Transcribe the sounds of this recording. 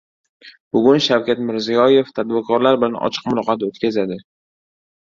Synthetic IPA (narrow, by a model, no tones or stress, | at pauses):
b̥ʊɡʲʊnʃawkʲʰat̪mɪɾzijɒje̞ft̪ʰad̪̚bɪɾkʰɒɾlaɾbɪlanɒ̰t͡ʃʰɨ̥qmʊlɒqɑt̪ot̪kʲʰazad̪ɪ